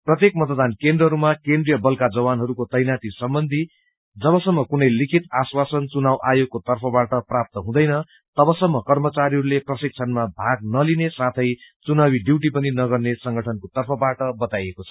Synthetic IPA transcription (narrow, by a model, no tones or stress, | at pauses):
prʌt̪jek̚mʌt̪ʌd̪ankend̪rʌɦʌɾumakend̪rijʌbʌlkad͡zʌbanɦʌɾukot̪ʌjnat̪isʌmbʌnd̪ʱi | d͡zʌβʌsʌmːʌkunʌjlikʰit̪aswasʌnt͡sunawʔajoɡ̚kːot̪ʌrpʰʌbaʈʌprap̚t̪ʌɦũd̪ʌjnʌ | t̪ʌbʌsʌmːʌkʌrmʌt͡saɾiɦʌɾuleprʌsik̚t͡sʰʌnmabʱaɡnʌlinesat̪ʰʌjt͡sunawiɖiwʈ̬ipʌninʌɡʌrnesʌŋɡʱʌʈʰʌnkot̪ʌrpʰʌbaʈʌbʌt̪ajekot͡sʰʌ̥